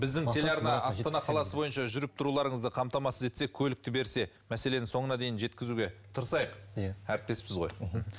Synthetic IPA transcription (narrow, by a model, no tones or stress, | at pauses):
bɪzd̪ɪŋʰe̞lʲeɑɾnɑɑst̪ɑnɑqʰɑlˠɑsəbo̞jənʃɑʒʏɾɪp̚t̪ʰʊɾulˠɑɾəɴəzd̪əqʰɑmt̪ɑmɑsəze̞t̪sekʲʰɵlɪk̚t̪ɪbe̞ɾse̞ | mæse̞le̞nɪso̞ɴənɑd̪e̞jɪnʒe̞t̪kʲɪzuɡʲe̞t̪ʰəɾəsɑjəqæɾɪp̚t̪e̞spɪzʁo̞j